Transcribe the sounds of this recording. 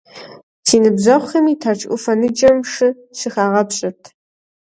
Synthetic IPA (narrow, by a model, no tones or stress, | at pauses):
sʰiːnɨbzɐχʷxɐmitʰat͡ʃʼʔʷʼʊ̰fɐnɨd͡ʒʼɐmʂɨ | ɕɨxaːʁɐpʰɕʼɐtʰ